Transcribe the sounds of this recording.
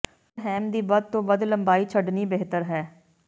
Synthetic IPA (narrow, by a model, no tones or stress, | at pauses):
ɦɛːmd̪iːbəd̪̚t̪õːʋəd̪ləmbaːiːt͡ʃʰəɖniːbeɦt̪əɾɦɛː